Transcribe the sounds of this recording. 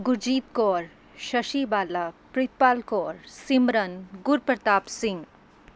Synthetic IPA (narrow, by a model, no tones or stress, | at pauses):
ɡʊɾd͡ʒiːt̪kɔːɾ | ʃɐʃibaːlapɾɪt̪̚paːlkɔːɾsɪmɾənɡʊɾpɾət̪aːpsɪ̃ŋɡ